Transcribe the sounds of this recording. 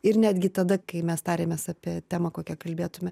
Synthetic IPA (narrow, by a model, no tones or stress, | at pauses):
ɪɾnʲæːd̪ʲɡʲɪt̪ɐd̪ɐkɐɪmʲɛst̪ɑːɾʲeːmʲeːsɑːpʲiɛt̪ʲæːmɐkoːkʲɛkɐlʲbʲeːt̪ʊmʲɛ